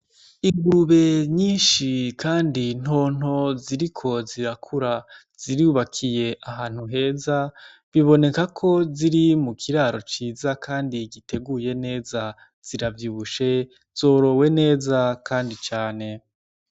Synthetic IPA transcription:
iŋɡuɾuβe̞ɲiːnʃikʰaːndin̥ho̞ːn̥o̞ziɾikʰo̞ziɾakʰuɾa | z̥iɾiuβakʰije̞ʔaɦaːn̥huɦe̞ːza | βiβo̞ne̞kakʰo̞ziɾimukʰiɾaːɾo̞t͡ʃiːzakʰaːndiɡite̞ɡuje̞ne̞ːza | z̥iɾavjuːβuʃe̞ | z̥o̞ːɾo̞we̞ne̞ːzakaːndit͡ʃaːne̞

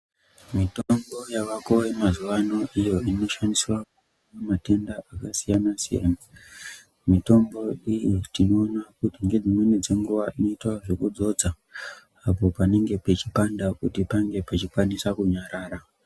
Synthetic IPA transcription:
mitombo̞jaʋako̞wemazuʋano̞ʔijo̞ino̞ʃandiswaku | nnamate̞ndaakasijanasijḛma | mito̞mbo̞ijitino̞ːnakutiŋɡe̞d͡zimwe̞nid͡ze̞ŋɡuʋaʔino̞itwaʐe̞kud͡zo̞d͡za | apo̞pane̞ŋɡe̞pet͡ʃipandakutipaŋɡe̞pat͡ʃikwanisakuɲaɾaːɾa

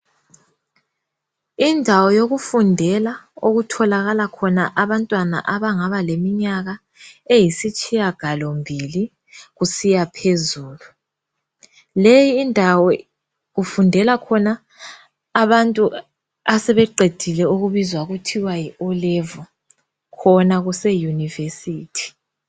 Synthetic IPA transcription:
indʱawɔjoɣufundʱɛlaoɣutʰɔlaɣalakʰɔnaʔaβantʼwana̰ʔaβaŋaβalemiɲaɣa | ejisit͡ʃʼijaɡ̥ʱalɔmbʱili | ɣusijapʰezuːlu | lejiːndʱawɔ | ɣufundʱɛlakʰɔnaː | βantʼu | asɛβɛǃʱed̥ʱilɛuɣuβizwaɣutʰiwajiɔlɛvɔ | kʰɔnaɣusɛjunivesiːtʰi̥

